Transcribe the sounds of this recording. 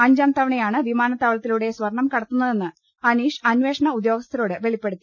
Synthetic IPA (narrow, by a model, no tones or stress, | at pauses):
ɐɲd͡ʑaːmt̪ɐʋɐɳɐjaːɳɨʋimaːnɐt̪ːaːʋɐɭɐt̪ːiluɽe̞sʋɐrɳɐmkɐɽɐt̪ːunːɐðe̞nːɨ | ɐniːʂɐnʋeːʂɐɳɐud̪joːʋɐst̪ʰɐɾo̞ːɽɨʋe̞ɭipːe̞ɽut̪ːi̥